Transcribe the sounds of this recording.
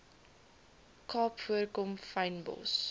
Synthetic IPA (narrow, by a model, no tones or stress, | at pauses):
kʰɑːpfuəɾkɔmfajnbɔ̰ls